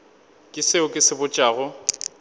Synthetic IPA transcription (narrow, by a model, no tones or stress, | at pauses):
kʼɪseʊkʼɪsɪbʊt͡ʃʼaːɣʊ